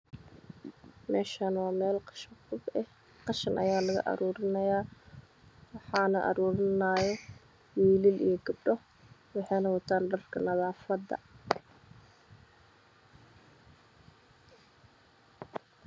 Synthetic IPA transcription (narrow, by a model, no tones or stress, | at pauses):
mɛːʃanwɑːmɛːlqɑ̥ʃɐqʊbɛh | qɑʃɐnʔɐ̰jaːlɐɣɐ̰ʔɐ̰ɾuːɾɪnɐjaː | wɑħɑːnɐʔɐ̰ɾuːɾɪnaːjɛ | wiːlɪlijɔɡɐb̚ɖɔ | wɑħɑjnɐwɐt̪ʰaːnɖɐrkʰɐnɐðaːfɐd̪ɐ̰